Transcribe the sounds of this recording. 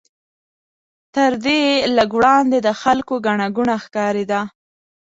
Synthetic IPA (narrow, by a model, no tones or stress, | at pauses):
t̪əɾd̪eləɡwɽɑnd̪ed̪əxalkoɡaɳaɡuɳaxkɑɾed̪a